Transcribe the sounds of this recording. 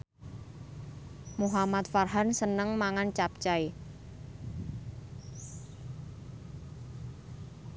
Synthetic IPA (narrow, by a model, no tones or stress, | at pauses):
muɦamat̪farɦansənəŋmaŋant͡ʃap̚t͡ʃae